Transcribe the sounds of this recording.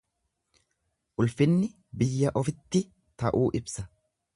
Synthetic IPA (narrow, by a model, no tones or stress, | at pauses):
ʔʊlfɪnːɪ | bɪjːɐʔɔfɪt̪ːɪ | t̪ɐʔuːʔɪbsɐ